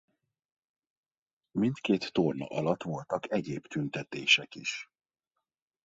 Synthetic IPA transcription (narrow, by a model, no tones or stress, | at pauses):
mint̪keːt̪ːornɒ̰ʔɒlɒt̪ʋo̞lt̪ɒkɛɟeːbt̪ynt̪ɛt̪eːʃɛkiʃ